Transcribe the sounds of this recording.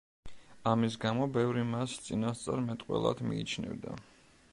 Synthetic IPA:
amis̬ɡamɔbɛvɾimast̪sʼinast̪sʼaɾmɛt̪ʼqʼwɛ̰lˠad̪mḭːt͡ʃʰnɛ̰vd̪a̰

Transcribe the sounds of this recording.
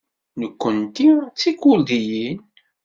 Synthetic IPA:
nəkʷːənt̪it͡sːikuld̪ijin

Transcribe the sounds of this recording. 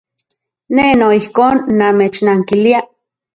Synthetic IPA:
nenoihkoːnːameːt͡ʃnaːŋkilia

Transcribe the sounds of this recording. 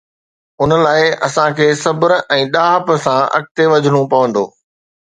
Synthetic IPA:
ʊnəlaːɪɐsãkʰeːsɐbəɾʔɛ̃ːɗaːɦəpəsãʔɐ̰k̚t̪eʋɐd͡ʑʱəɽ̃ũpɐʋə̃nd̪oː

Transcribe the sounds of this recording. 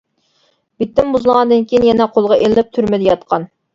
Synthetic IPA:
b̥it̪ːɪmbuzɨlˠʁɑnd̪ɨnkʲijinjɛnɛqʰolˠʁɑʔelːɪp̚t̪ʰyɾmɪd̪ɪjɑt̪qʰɑn

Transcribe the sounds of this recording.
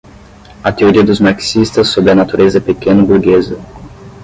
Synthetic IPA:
ɐt̪eoɾiɐd̪ʊzmaɾksist̪ɐsːobɾɪɐnat̪uɾʔezɐpekẽnɐbuɾɡezɐ

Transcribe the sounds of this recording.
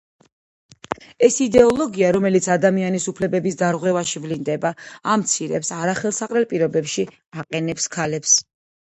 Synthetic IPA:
ɛsid̪ɛɔlˠɔɡiaɾɔmɛlit̪sʰad̪amianisupʰlɛbɛbisd̪aɾʁwɛvaʃivlind̪ɛbaamt̪sʰiɾɛ̰psaɾaχɛlˠsaqʼɾɛlpʼiɾɔbɛpʃi | aqʼɛnɛpskʰalɛps

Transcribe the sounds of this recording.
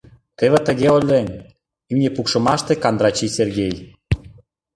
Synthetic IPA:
t̪eβĕt̪ə̆ɣeolʲːenʲ | imnʲepukʃɤ̆mɑʃt̪ekɑnd̪ɾɑt͡ɕiserɣej

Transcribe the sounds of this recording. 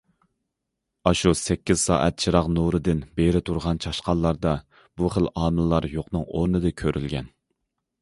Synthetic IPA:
ɑʃusɛkʲːiz̥sɑ̰ːʔɛ̰t̪̚t͡ʃʰiɾɑqnuɾɨd̪ɪnbeɾɪt̪ʰuɾʁɑnt͡ʃʰɑʃqɑlːˠɑɾd̪ɑ | buχəlˠɑːmɨlːɑɾjoqnɨŋoɾnɨd̪ɨkʲʰøɾʔylɡʲɛn

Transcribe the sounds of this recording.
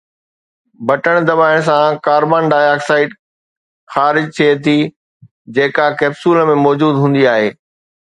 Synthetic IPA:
bɐʈəɽ̃d̪ɐbaːɪɽ̃s̬ãkaːɾbaːnɖaːjaːksaːɪʈ | xaːɾɪd͡ʑt̪ʰiet̪ʰi | d͡ʑeːkakɛːbsuːlmẽmɔːd͡ʑuːd̪ɦũːn̆d̪iaːɦeː

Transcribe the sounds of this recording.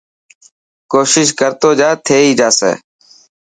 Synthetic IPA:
koːʃɪʃkəɾt̪oːd͡ʒaːt̪ʰeːiːd͡ʒaːsḛː

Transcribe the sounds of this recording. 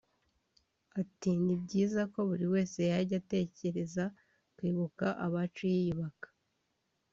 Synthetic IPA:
atinibɟiːzako̞βuɾiwe̞ːse̞jaɾɟate̞ːce̞ɾe̞za | kwiːβukaʔaβat͡ʃujiβakḁ

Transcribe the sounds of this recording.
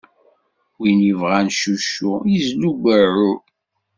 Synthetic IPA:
winjivʁænʃuʃːujizluɡʷəʕu

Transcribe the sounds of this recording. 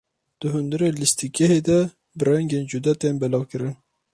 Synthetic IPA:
d̪̥ɨɦʊnd̪ɨɾelist̪ikʰɛɦed̪ɛ | bɨɾɛŋɡeːnd͡ʒud̪ɛt̪enbɛlɑːwkɨɾɨn

